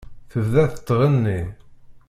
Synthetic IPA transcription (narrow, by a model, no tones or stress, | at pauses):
θəvðæθət̪ˤːʁənːi